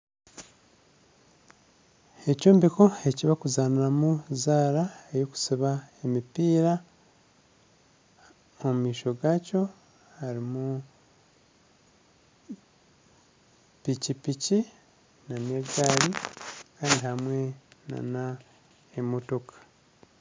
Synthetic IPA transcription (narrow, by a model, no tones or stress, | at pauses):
e̞coːmbiko̞e̞ciβakuzaːniɾamuzaːɾaejoku̥siβaemipiːɾa | ommiːʃo̞ɡaːco̞ | haɾimu | picipici | nameɡaːɾikaːndihamwe̞na̰na | emo̞to̞kʰḁ